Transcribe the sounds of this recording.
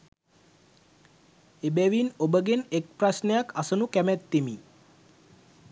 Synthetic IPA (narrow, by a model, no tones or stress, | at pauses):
ebæʋinobəɡenek̚prasnəjakʰasənukæmæt̪ːimi